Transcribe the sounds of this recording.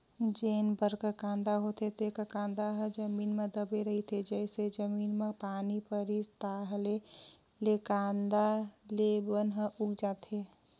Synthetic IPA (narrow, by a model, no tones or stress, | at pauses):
d͡ʒeːnbəɾkəkãːnd̪aɦot̪ʰet̪ekəkãːnd̪aɦəd͡ʒəmiːnmẽd̪əbeɾəɦit̪ʰed͡ʒɛːsed͡ʒəmiːnmẽpaːnipəɾist̪aːɦle | lekãːnd̪alebənɦəʔʊɡd͡ʒaːt̪e